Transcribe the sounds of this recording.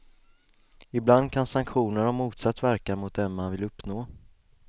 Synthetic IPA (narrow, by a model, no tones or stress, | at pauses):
ɪbland̪̚kʰansaŋkɧuːnəɾɔmːuːt̪sat̪ːvæɾkamʊt̪̚d̪ɛnmanvɪlɵpːnoː